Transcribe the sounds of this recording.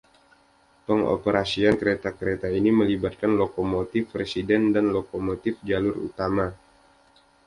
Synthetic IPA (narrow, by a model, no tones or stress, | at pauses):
pəŋo̰pəɾʔasiankəɾet̪akəɾet̪ainiməlibat̪̚kanlokomot̪ɪfresidɛndanlokomot̪ɪfd͡ʒalʊrṵt̪ama